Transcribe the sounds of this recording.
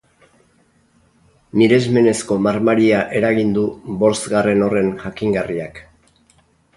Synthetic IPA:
niɾe̞zme̞ne̞sko̞maɾmaɾiaʔe̞ɾaɣind̪ubo̞ɾsɡare̞no̞re̞nʝakiŋɡariak

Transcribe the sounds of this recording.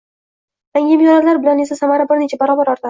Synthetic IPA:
j̪aŋʲɪbijɒɾalaɾbɪlanesasamaɾabɪɾnet͡ʃʰabaɾɒːbaɾɒɾt̪a

